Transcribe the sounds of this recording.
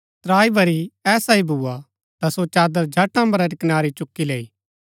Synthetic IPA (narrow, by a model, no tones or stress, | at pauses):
t̪ɾaːibʱɐɾiɛːsaibʱuːa | t̪asot͡ʃaːd̪əɾd͡ʒʱɐʈːãbɐɾɐɾikɪnaːɾit͡ʃʊkːileːiː